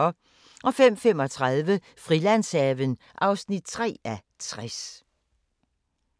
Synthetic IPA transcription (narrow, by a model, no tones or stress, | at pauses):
ɒ | ʔɒ̽fem̰fem̰ɒ̽t͡sʰʁɑðˠʋə | fʁilæn̰sɛʋən | ʔɑ̈ʊsnid̥̚t͡sʰʁɛ̰ːæt͡sʰʁas